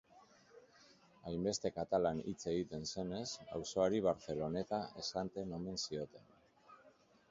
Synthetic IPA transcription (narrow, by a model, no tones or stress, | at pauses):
ajmbe̞st̪e̞kat̪alanit͡se̞ɣit̪e̞nse̞ne̞sa̰wso̞aɾiβ̞aɾθe̞lo̞ne̞t̪aʔe̞sant̪e̞no̞me̞nsio̞t̪e̞n